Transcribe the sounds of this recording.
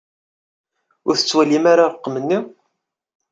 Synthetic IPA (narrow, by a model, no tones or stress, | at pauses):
ʊɾθə̥t͡sːwælimaɾaəqːmənːi